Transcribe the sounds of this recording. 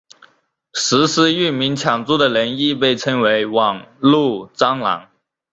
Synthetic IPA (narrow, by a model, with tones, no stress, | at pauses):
ʂɻ̩˧˥ʂɻ̩˧˥y˥˩nmi˧˥ŋt͡ɕʰjɑ˨˩ŋt͡su˥˩d̪ə˨ɻə˧˥ni˥˧pe˥˩ɪʈ͡ʂʰɤ˥ŋwe˧˥ɪwɑ˨˩ŋlu˥˩t͡sɑ˥ŋlɑ̰˧˥ŋ